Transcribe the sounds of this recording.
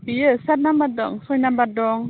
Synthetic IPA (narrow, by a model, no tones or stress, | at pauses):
piəsat̬̚nambat̚dɔ̰ŋsɔjnambat̚dɔŋ